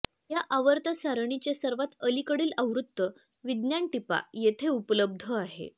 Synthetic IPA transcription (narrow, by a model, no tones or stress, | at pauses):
jaʔaʋəɾt̪asaɾəɳit͡ɕjasəɾʋat̪əlikəɽiːləʋɾut̪ːə | ʋid̪njaɳʈipa̰jet̪ʰeupələb̚d̪ʱəaɦḛ